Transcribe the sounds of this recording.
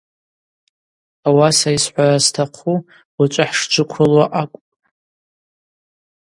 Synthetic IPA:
awasaisħʷarastʰaqʰu | wat͡ʃʷʼaħʂt͡ʃʷʰɨkʷʰʊlwaʔakʷʼpʼ

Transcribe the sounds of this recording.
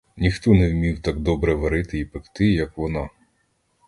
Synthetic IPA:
nʲixt̪ɔnɛwmʲiwt̪ɑɡ̚d̪ɔbɾɛʋɐɾɪt̪ɪipɪkt̪ɪjɐkʋɔnɑ

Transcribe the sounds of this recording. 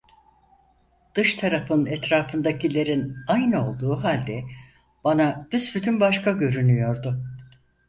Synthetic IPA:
d̪̥ɯʃt̪ʰaɾafɯnɛt̪ɾaːfɯnd̪acʰilʲe̞ɾinajnɯo̞lˠd̪uːɦalʲd̪ɛ | b̥anab̥̪ysbyt̪ʰynbaʃkaɟø̞ɾynyjo̞ɾd̪ʊ

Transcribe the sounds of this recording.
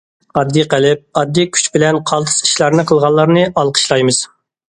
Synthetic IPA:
ɑd̪ːiqælɪp̚ɑd̪ːikʲʰy̥t͡ʃbɪlɛnqʰɑlˠt̪ʰɨ̥si̥ʃlˠɑɾnɨqʰəlˠʁɑlˠːɑɾnɨʔɑlˠqʰə̥ʃlˠɑjmɨz̥

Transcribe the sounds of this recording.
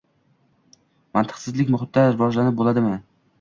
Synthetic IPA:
mant̪ʰɨ̥qsɪzlɪkʲmʊχɪt̪̚d̪aɾɪvɒʒlanɪp̚bolˠad̪ɪmɪ

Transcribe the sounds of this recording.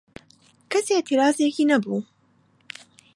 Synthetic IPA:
kɐset̪ʰiɾaːzekiːnɐbuː

